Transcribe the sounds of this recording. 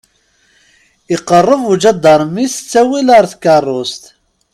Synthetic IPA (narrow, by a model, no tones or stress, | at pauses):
ɪqːərˤːəvud͡ʒæd̪ːɑɾˤmːist͡sːæwiləɾˤθkːɑrˤːʊst̪